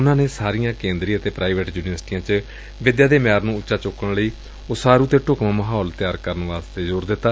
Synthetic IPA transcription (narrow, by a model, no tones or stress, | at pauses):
ʊnãːneːsaːɾijãːkẽːnd̪ɾiːət̪eːpɾaːiʋeːʈjuːnɪʋəɾsʈiːjãːt͡ʃ | ʋɪd̪jaːd̪eːmjaːɾnũːʊtːʃaːt͡ʃʊkəɽləiː | ʊsaːɾuːt̪eːʈʊkmãːməɦaːlt̪ɪjaːɾkəɾənʋaːst̪eːd͡ʒoːɾd̪ɪt̪ːaː